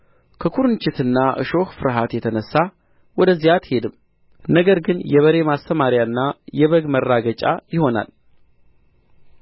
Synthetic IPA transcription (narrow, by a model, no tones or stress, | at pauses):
kʰəkʰuɾɨnt͡ʃʼɪt̪ɨnːaʔɨ̰ʃo̞xfɨɾɦat̪jɛt̪ʰənəsːa | wɔd̪əzːijat̪he̞d̪ɨm | nəɡəɾɡɨnjɛβəɾe̞mast̪ʰəmaɾjaɨnːajɛβəɡmərːaɡət͡ʃʼa̰jɪho̞na̰l